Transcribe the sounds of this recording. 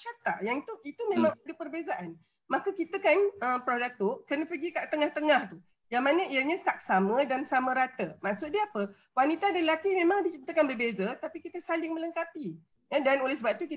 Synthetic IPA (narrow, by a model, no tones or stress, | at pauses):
t͡ʃat̪a̰ʔjaŋit̪uit̪umẽmãŋdəpərbezaʔan | mãkəkit̪əkanəmpɾodak̚t̪uʔkərnəpəɡikaʔt̪əŋaht̪əŋaht̪u | jaŋmanə̃ʔiaɲãsak̚samə̃dansamə̃ɾat̪əmasʊt̪̚diapə | wanit̪adəlakimẽmãŋdit͡ʃət̪əkanbərbezət̪apikit̪əsalɪŋmələŋkapi | ədanolesəbap̚t̪uki